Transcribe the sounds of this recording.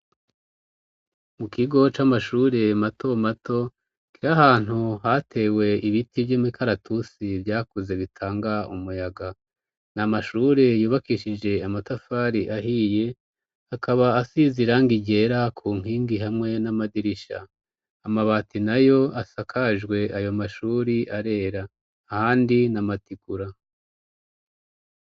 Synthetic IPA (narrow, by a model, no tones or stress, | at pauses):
mukiɡo̞t͡ʃamaʃuːɾe̞matʰo̞mato̞ | kiɾahaːn̥huhatʰe̞ːwe̞iβitivjomikʰaɾatʰusivjaːkuze̞βitʰaːŋɡaumujaɡa | namaʃuːɾe̞juːβakiʃid͡ʒe̞amatafaɾiʔaɦije̞ | akʰaβaːsiziɾaŋɡiɟe̞ːɾakʰuːŋ̥hiːŋɡiɦamŋe̞namadiɾiʃa̰ | amaβaːtinajo̞asakʰaʒɡwe̞ʔajo̞maʃuːɾiʔaɾe̞ːɾaː | haːndinamatiɡuɾa